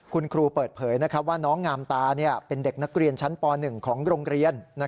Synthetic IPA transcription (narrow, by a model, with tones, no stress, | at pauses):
kʰu˧nkʰɾuː˧pɤː˨˩t̪̚pʰɤː˩˦jna˦˥kʰɾa˦˥p̚waː˥˩nɔː˦˥ŋːaː˧mt̪aː˧ni˥˩ɐpe˧nde˨˩k̚na˦˥k̚ɾi˧ənt͡ɕʰa˦˥npɔː˧nɯ˨˩ŋkʰɔː˩˦ŋɾoː˧ŋɾi˧ənːa˦˥